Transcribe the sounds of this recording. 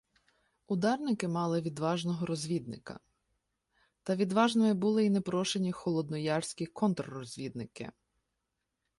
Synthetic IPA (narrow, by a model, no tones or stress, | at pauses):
ʊd̪ɑrnɪkɪmɑlˠɪʋʲid̪ʋɑʒnɔɦɔɾɔzʲʋʲid̪̚nɪkɐ̰ | t̪ɐʋʲid̪ʋɑʒnɔmɪbulˠɪinepɾɔʃenʲixɔlˠɔd̪nɔjɑrsʲkʲikʰɔnt̪ɾrɔzʲʋʲid̪̚nɪkɪ̰